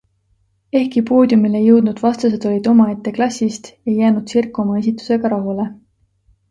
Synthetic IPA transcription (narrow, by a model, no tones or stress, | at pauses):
e̞hkipo̞ːd̪̥jumile̞jɤwd̪̥nud̪̥vɑst̪ɑs̬e̞d̪̥o̞lʲid̪̥o̞mɑe̞t̪ːe̞klɑsʲːist̪e̞jːæːnud̪̥sirkːˑo̞mɑe̞s̬ʲit̪ːˑu̥se̞ɡ̥ɑɾɑɦule̞